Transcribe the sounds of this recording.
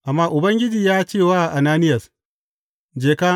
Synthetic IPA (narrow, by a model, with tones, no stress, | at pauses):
ʔa˨mːaː˦ʔʊ˨bɐ˦ŋɡʲɪ˦d͡ʒiː˨jaː˦t͡ʃeː˦˨waː˦˨ʔa˨naː˦nɪ˦jɐ˨s | d͡ʒeː˨kaː˦